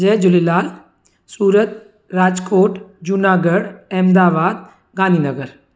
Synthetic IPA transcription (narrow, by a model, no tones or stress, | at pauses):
d͡ʒed͡ʒulilaːl | suːɾət̪̚ | ɾaːd͡ʒkoːʈd͡ʒunaːɡəɽɛmd̪aːbaːd̪ | ɡãːnd̪iːnəɡəɾ